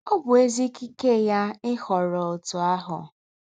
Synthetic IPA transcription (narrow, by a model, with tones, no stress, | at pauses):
ɔ˦bʊ˨e˦zi˦ki˦ke˦˨ja˦ɪ˦hɔ˨ɾɔ˨o˨tʊ˨a˦ɦʊ̰˨